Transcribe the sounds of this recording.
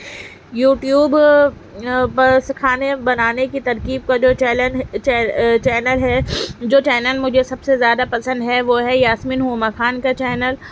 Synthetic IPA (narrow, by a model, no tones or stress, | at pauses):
juːʈjuːb | pɐskʰaːnebɐnaːnekit̪ɐɾkiːb̚kad͡ʒoːɛː | t͡ʃɛːnəlɦɛd͡ʒoːt͡ʃɛːnəlmʊd͡ʒʱesɐbsezjaːd̪apɐsə̃nd̪ɦɛʋoɦɛjaːsminɦumakʰaːnkat͡ʃɛːnəl